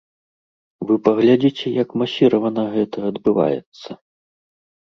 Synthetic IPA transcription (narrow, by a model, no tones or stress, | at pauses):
vɨpɐɣlʲad͡zʲit͡sʲɛjɐkmasʲiɾɐvɐnɐɣɛt̪ɐɐd̪bɨva̰jɛ̰t̪sːɐ